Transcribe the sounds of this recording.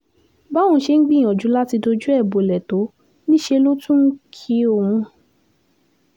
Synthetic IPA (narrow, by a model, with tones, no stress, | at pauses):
ba˦w̃ũ˨˧˦ʃe˧ŋ̩˦ɡ͡bĩ˦˨ɔ˨d͡ʒu˨˦la˦ti˧do˧d͡ʒu˦ɛ˦˨bo˨lɛ˨to˨˦ | nĩ˦ʃe˧lo˦tũ˦kʰi˧˦o˨wũũ˧